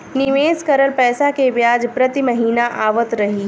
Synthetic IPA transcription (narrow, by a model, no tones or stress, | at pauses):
nɪʋeːskɐɾəlpɛːsakeʋjaːd͡ʒpɾɐt̪imɐɦiːnaʔaːʋət̪ɾɐɦiː